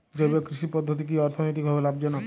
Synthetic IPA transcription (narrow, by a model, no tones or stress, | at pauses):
d͡ʒɔbɔkɾiʃipɔd̪ʱːot̪ik̬iɔɾt̪ʰɔnojt̪ikbʱɔbelab̚d͡ʒɔnɔ